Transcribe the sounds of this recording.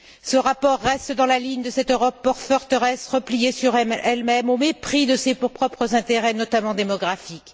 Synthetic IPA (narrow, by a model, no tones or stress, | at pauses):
səʁapɔʁːɛst̪d̪ɑ̃laliɲd̪əsɛt̪øʁɔpːɔʁfœʁt̪əʁɛsʁəplijesyʁɛɛlmɛmomepχid̪əsepuʁpχɔpχəzɛ̃t̪eʁɛnɔt̪amɑ̃d̪emɔɡʁafik